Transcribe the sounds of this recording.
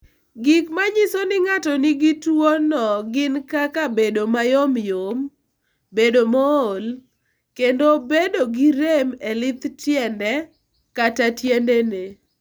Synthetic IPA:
ɡikmaɲisonɪŋatɔnɪɡitwonɔɡɪnkakabedomajomjom | bedomool | kendobedoɡiɾemelɪt̪tjɛndɛ | katatjendene

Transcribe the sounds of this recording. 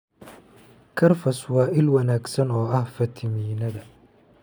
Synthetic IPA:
kʰɐrfɐswɑːʔɪlwɐnaːɡsɐnɔːɐhfɐt̪ʰɪmiːnɐðɐ

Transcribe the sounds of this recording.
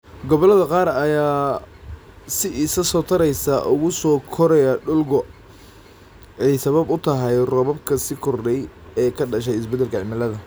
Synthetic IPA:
ɡɔβɔlɐðɐqɑːɾɐjaː | sɪʔisɐsɔːt̪ʰɐɾɛjsaʔʊɣʊsɔːkʰɔɾɛjaɖʊlɡɔ | ɛjsɐβɐbʊt̪ʰɐɦɐjrɔːβɐbkʰɐsɪkʰʊrɖɛjɛːkʰɐɖɐʃ̬ɛjɪsbɛd̪ɛlkʰɐʕɪmɐlɐðɐ

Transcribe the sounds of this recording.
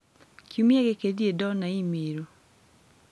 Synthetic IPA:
kʰumjeɡekediedɔnaimeɾo

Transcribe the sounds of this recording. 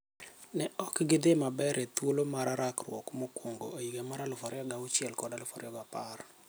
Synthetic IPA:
nɛɔkɡɪd̪emabɛɾʔet̪wolomaɾaɾakrwɔ̰kmokwoŋɡoojiɡɛmaɾalʊfɔɾɪɔɡaʊt͡ʃjɛlkɔdalʊfɔɾɪɔɡapar

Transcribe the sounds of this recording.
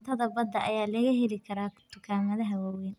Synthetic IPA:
t̪ʰɐðɐbɐd̪ɐʔɐjaːlɐɣɐɦɛlɪkʰɐɾaːt̪ʰʊkʰaːmɐðɐɦɐwaːwɛn

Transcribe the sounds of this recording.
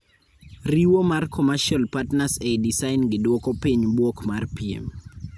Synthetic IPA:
riwomarkʰɔmaʃɔlpatnasedisaɪnɡɪdwɔkopiɲbwokmarpiḛm

